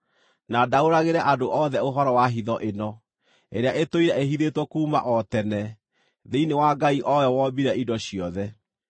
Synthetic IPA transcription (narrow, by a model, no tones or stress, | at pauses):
nadaoɾaɣeɾɛʔadoʔɔðɛoɦɔɾɔwaɦiðɔʔenɔ | eɾeaʔetoiɾɛeɦiðetwɔkuːma̰ʔɔtɛnɛ | ðeinewaɡaiʔɔwɛwɔbiɾɛidɔɕiɔðɛ